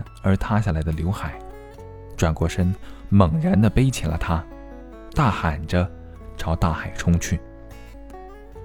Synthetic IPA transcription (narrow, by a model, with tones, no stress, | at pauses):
ə˞˧˥t̪ʰa˥ɕja˥˩la˧˥ɪd̪ə˧ljo˧˥ʊxa˨˩˦ɪ | ʈ͡ʂwa˨˩nkwɔ˥˩ʂə˥nmə˨˩ŋɻa˧˥nd̪ə˧pe˥ɪt͡ɕʰjɛ˨˥˩nlə̰˦t̪ʰa˥ | t̪a˥˩xa˨˩nʈ͡ʂə˦ | ʈ͡ʂʰɑ˧˥ʊt̪a˥˩xa˨˩ɪʈ͡ʂʰʊ˥ŋt͡ɕʰy˥˩